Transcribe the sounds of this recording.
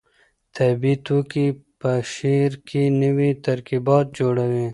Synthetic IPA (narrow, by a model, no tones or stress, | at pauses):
t̪ʰɐːbiːt̪uːkipɐʃiːɾkinɐwit̪ɐɾkibɑːt̪̚d͡ʒoːɽɐweː